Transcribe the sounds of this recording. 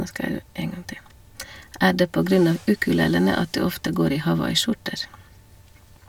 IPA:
ˈæː ˈɖeː ˈpoː ˈɡɾʉn ˈɑʋ ˈʉkʉˌleːlənə ˈɑt ˈdʉː ˈɔftə ˈɡoːɾ ˈiː hɑˈʋɑɪˌʃʊʈəɾ

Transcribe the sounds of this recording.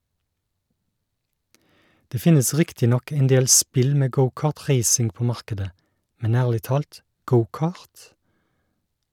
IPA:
ˈdeː ˈfɪnəs ˈʁɪktɪ ˈnɔk ɛnˈdeːl ˈspɪl ˈmeː ˈɡəʊˌkɑːʁˌtʁeɪsɪŋ ˈpoː ˈmɑʁkədə ˈmɛn ˈæːʁlɪ ˈtɑːlt ˈɡəʊˌkɑːʁt

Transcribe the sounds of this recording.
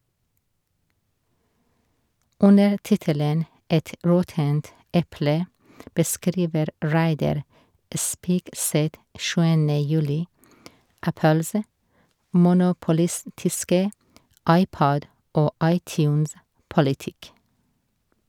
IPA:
ˈʉnəɾ ˈtɪtələn ˈɛt ˈɹɔtənt ˈʔɛplə bəˈskɾiːʋəɾ ˈɹæɪdɑɾ ə ˈspiːɡˌsɛt ˈʃʉːənə ˈjʉːlɪ ˈʔæpəlsə mʊnʊpʊˈlɪstɪskə ˈɑɪˌpɔd ˈʔoː ˈʔɑɪˌtjʉːnspɔlɪˌtɪk

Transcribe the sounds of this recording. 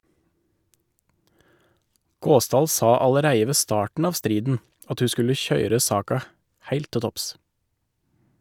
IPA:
ˈɡoːˌsdɑːl ˈsɑː ɑləˈɾæɪə ˈʋeː ˈstɑːʈn̩ ˈɑːʋ ˈstɾiːdn̩ ˈɑt ˈhʉː ˈskʉlə ˈçœʏɾə ˈsɑːkɑ ˈhæɪlt ˈtɪ ˈtɔps

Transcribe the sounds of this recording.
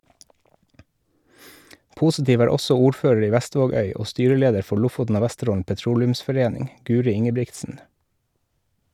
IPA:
ˈpuːsɪˌtiːʋ ˈæːɾ ˈɔsɔ ˈuːɾˌføːɹəɹ ˈiː ˈʋæˌstʋoːˌɡœʏ ˈoː ˈstyːɾəˌleːdəɾ ˈfɔ ˈɭʊfʊtn̩ ˈoː ˈʋæstəˌɾoːln̩ pɛˈtɾuːlʉmsfɔˌɾeːnɪŋ ˈɡʉːɾɪ ˈɪŋəˌbɹɪktsn̩

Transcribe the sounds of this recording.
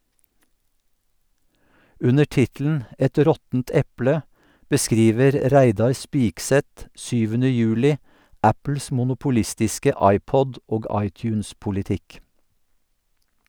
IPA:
ˈʉnə ˈʈɪtl̩n̩ ˈʔɛt ˈɾɔtn̩t ˈɛplə bəˈskɾiːʋəɾ ˈɾæɪdɑɹ ˈspɪksɛt ˈʃyːʋənə ˈjʉːlɪ ˈʔæpl̩s mʊnʊpʊˈlɪstɪskə ˈɑɪˌpɔd ˈʔoːɡ ˈɑɪtjʉːnspʊlɪˌtɪk

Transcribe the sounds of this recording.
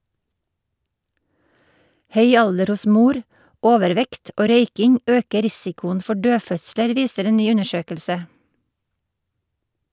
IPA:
ˈhœʏ ˈɑldəɾ ˈʊs ˈmuːɾ ˈoːʋəɾˌʋɛkt ˈoː ˈɾœʏkɪŋ ˈøːkə ˈɾɪsɪkʊən ˈfɔ ˈɖøːˌfœtsləɾ ˈʋiːsəɾ ˈeː ˈnyː ˈʉnəˌʃøːkəlsə

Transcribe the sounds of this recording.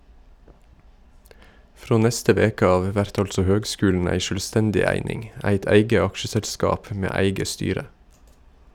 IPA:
ˈfɾoː ˈnɛstə ˈʋeːkə ˈɑːʋ ˈʋæɾt ˈɑltsɔ ˈhøːɡˌskʉːln̩ ˈæɪ ˈʃøːlˌstɛndɪ ˈæɪnɪŋ ˈæɪt ˈæɪɡə ˈɑkʃəsɛlˌskɑːp ˈmeː ˈæɪɡə ˈstyːɾə

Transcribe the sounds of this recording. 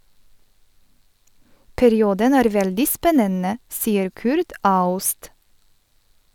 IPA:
pæɾɪˈuːdən ˈæːɾ ˈʋɛldɪ ˈspɛnənə ˈsiːəɾ ˈkʉɾt ˈɑʉst

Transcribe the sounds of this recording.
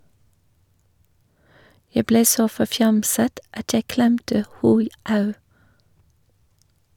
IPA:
ˈjæ ˈbleː ˈsoː fɔˈfjɑmsət ˈɑt ˈjæɪ ˈklɛmtə ˈhuː ˈɑʉ

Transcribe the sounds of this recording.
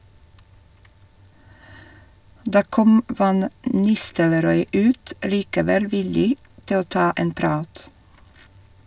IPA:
ˈdɑː ˈkɔm ˈfɑn ˈnɪstəlɾɔʏ ˈʉːt liːkəˈʋɛl ˈʋɪlɪ ˈtɪ ˈoː ˈtɑː ˈeːn ˈpɾɑːt

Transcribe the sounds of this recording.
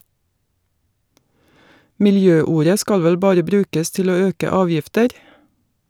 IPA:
mɪlˈjøːˌuːɾə ˈskɑl ˈʋɛl ˈbɑːɾə ˈbɾʉːkəs ˈtɪl ˈoː ˈøːkə ˈɑːʋjɪftəɾ

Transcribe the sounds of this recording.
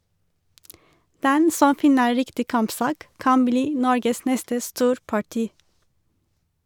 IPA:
ˈdɛn ˈsɔm ˈfɪnə ˈɹɪktɪ ˈkɑmpˌsɑːk ˈkɑn ˈbliː ˈnɔɹɡəs ˈnɛstə ˈstuːɾpɑˌʈiː

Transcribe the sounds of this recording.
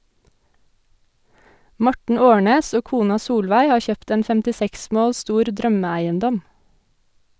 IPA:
ˈmɔʈɳ̩ ˈoːɳeːs ˈoː ˈkuːnɑ ˈsuːlʋæɪ ˈhɑː ˈçøːpt ˈeːn fɛmtɪˈsɛks ˈmoːl ˈstuːɾ ˈdɾœməˌæɪənˌdɔm

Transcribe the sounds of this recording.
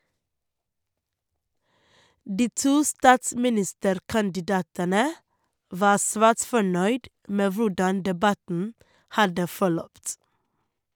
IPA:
ˈdiː ˈtuː ˈstɑːtsmɪˌnɪstəɾkɑndɪˌdɑːtənə ˈʋɑː ˈsʋæːʈ ˈfɔɳœʏd ˈmeː ˈʋʊɖɑn dɛˈbɑtn̩ ˈhɑdə fɔˈɭœpt

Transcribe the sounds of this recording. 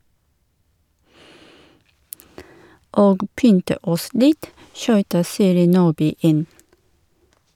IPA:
ˈoːɡ ˈpʏntə ˈɔs ˈlɪt ˈʃyːtə ˈsiːɾɪ ˈnuːbyː ˈɪn

